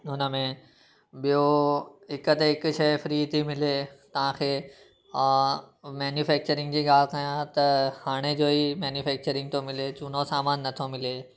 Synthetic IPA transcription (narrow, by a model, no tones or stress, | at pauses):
ɦʊnə̆mẽ | ɓijoɦɪkət̪eɦɪkʊʃɐfɾiːt̪ʰimɪlet̪ɐʋ̤ãkʰeː | mɛːnjufɛːk̚t͡ɕəɾɪ̃ŋɡ̚d͡ʑiːɠaːl̤k̪ɐjãt̪ɐhaːɽ̃ed͡ʑoːimɛːnjʊfɛːk̚t͡ɕəɾɪ̃ŋɡ̚t̪ʰomɪlet͡ɕʊn̤osaːmaːnːɐt̪ʰomɪleː